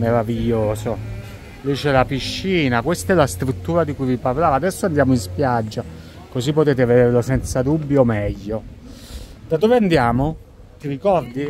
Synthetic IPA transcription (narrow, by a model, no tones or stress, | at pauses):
meɾaviʎːoːso | lit͡ʃɛlapiʃːiːnakwest̪aɛlast̪ɾut̪ːuːɾad̪ikujviparlaːvaːd̪ɛsːoand̪jaːmoinspjad͡ʒːa | kosipːot̪eːt̪̬eved̪eːɾlosɛnt̪sad̪ubːjomɛʎːo | d̪ad̪oːveand̪jaːmo | t̪iɾikɔrd̪i